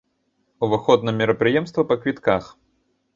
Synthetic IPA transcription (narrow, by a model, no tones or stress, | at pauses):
uvɨxɔd̪nɐmʲɛɾɐpɾɨjɛmst̪vɐpɐkvʲit̪kax